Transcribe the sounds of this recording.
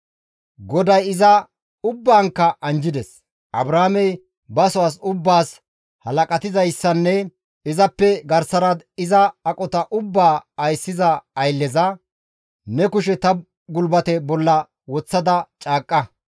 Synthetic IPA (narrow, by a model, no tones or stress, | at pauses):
ɡɔd̪ɐjɪzɐ | ʊbːaːŋkːɐʔɐnd͡ʒɪd̪ɛs | ʔɐbɾaːmɛj | bɐsʊwaːs̬ʊbːaːs | hɐlɐkʼɐt̪ɪzɐjsːɐnːɛ | ɪzɐpːɛɡɐɾsɐɾɐd̪ɪzɐːkʼɔt̪ɐʔʊbːaːɐjsːɪzɐɐjlːɛzɐ | nɛkʊʃɛt̪ɐ | ɡʊlbɐt̪ɛbɔlːɐ | wɔt͡sːɐd̪ɐt͡ʃʼaːkʼːɐ